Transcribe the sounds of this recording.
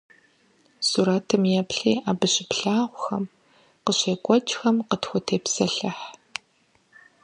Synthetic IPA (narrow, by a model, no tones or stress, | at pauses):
suːɾaːtʰɨmjɛpɬḭːʔaːbɨɕɪpɬaːʁʷxɐm | qəɕeːkʷʼɔt͡ʃʼxɐmqətxʷʊtʰeːpsɐɬɐħ